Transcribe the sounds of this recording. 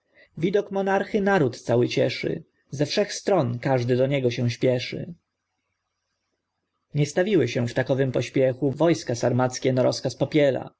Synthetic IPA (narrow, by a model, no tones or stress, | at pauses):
vʲid̪ɔkmɔnaɾxɘnaɾut̪t̪sawɘt͡ɕɛʂɘ̰ | zɛfʂɛxst̪ɾɔnkaʐd̪ɘd̪ɔɲɛɡɔɕɛw̃ɕpʲjɛʂɘ̰ | ɲɛst̪avʲiwɘɕɛ̃ft̪akɔvɘmpɔɕpʲjɛxuvɔjskasaɾmat̪skʲɛnɔɾɔskaspɔpʲjɛla̰